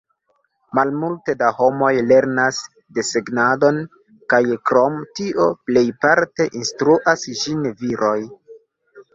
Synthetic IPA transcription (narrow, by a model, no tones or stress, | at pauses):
malmulte̞daho̞mo̞jle̞ɾnas | de̞seɡnado̞n | kajkɾo̞mtiʔo̞ple̞jpaɾte̞ʔinstɾuʔasʒinviɾo̞j